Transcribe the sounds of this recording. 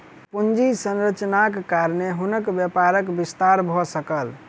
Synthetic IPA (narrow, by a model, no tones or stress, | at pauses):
pund͡ʒisənɾət͡ʃnakːaɾneɦunəkbjəpaɾəkbist̪aɾbʱɔsəkəl